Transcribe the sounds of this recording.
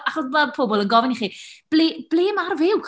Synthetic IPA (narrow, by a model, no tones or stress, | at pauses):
aχɔsbapʰoːbɔlˠənɡɔvɪniχiːb̥leːb̥leːmarvɪwk